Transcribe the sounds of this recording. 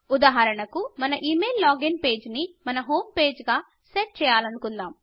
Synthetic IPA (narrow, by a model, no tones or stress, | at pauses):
ud̪aːɦɐɾɐɳɐkumɐnɐʔiːme̞ːlːaːɡinpe̞ːd͡ʒnimɐnɐɦo̞ːmpe̞ːd͡ʒɡaː | seʈ̚t͡ʃɛːjaːlɐnukund̪aːm